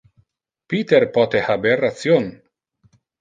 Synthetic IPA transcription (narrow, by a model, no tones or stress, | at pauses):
pit̪eɾpɔt̪ehaberːat͡sjon